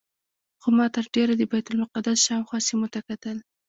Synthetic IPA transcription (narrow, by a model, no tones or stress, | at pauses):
xomɑt̪əɾɖeɾad̪əbajt̪ʊlmʊqad̪asʃɑwxwɑsimot̪akat̪əl